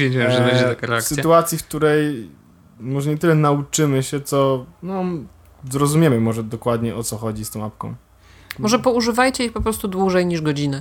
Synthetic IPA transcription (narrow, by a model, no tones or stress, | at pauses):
ed͡ʑiɛmʐɛvɛd͡ʑɛt̪akaɾɛakssɘsjt̪uat̪sʲjifk̚t̪uɾɛj | mɔʐɛɲɛt̪ɘlɛnaut͡ʂɘmɘɕɛt̪sɔnɔ | zɾɔzumʲjɛmɘmɔʐɛd̪ɔkwad̪ɲɛʔɔt̪sɔxɔd͡ʑist̪ɔ̃w̃ap̚kɔ̰̃w̃ | mɔʐɛpɔuʐɘvajt͡ɕɛixpɔpɾɔst̪ud̪wuʐɛjɲiʐɡɔd͡ʑinɘ